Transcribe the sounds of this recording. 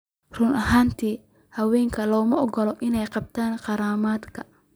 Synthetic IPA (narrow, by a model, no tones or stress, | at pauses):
rʊnɐɦaːnt̪ʰiː | hɐwɛːŋkʰɐlɔːmɐɔɡɔlɔʔɪnɛjqɑb̚t̪ʰaːnqɑɾaːmaːd̪kʰɐ̥